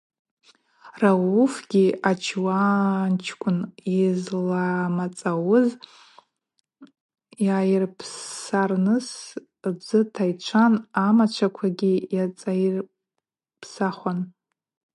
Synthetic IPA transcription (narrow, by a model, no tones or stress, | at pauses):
rawufɡʲiʔat͡ʃʰwant͡ʃʰkʷʼʊnizlamat͡sʼawʊz | jajɪrpʰːarnɨs | d͡zɨtʰajt͡ʃʷʰanamat͡ʃʷʰakʷʰaɡʲijat͡sʼajr | pʰsaχʷan